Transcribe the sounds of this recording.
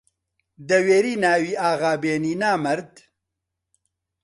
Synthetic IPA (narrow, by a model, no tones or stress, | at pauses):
d̪ɐweːɾiːnaːwiːaːɣaːbeːniːnaːmɐɾd̪